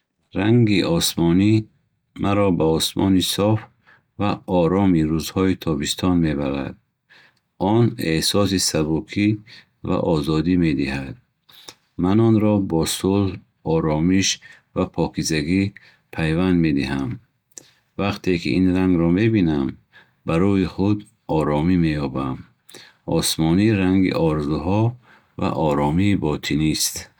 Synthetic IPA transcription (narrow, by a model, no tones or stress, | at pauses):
ɾaŋɡiʔɔsmɔni | mʔaɾɔbaɔsmʔɔ̰nisɔf | vaɔɾɔmiɾuzhɔit̪ʰɔbist̪ʰɔnme̞baɾa̰d̪̚ | ɔnehsɔsisabukʰi | va̰ʔɔzɔd̪imed̪ihad̪̥̚ | manɔnɾɔbɔsulh | ɔɾɔmiʃ | vapʰɔkʰizaɡi | pʰajvand̪me̞d̪iɦam | vaqt̪ʰekʰḭʔinɾaŋɡɾɔme̞binam | baɾuiχud̪ | ɔɾɔmime̞jɔbam | ɔ̰smɔniɾaŋɡḭʔɔɾzuɦɔ | va̰ʔɔɾɔmiːbɔt̪ʰinist̪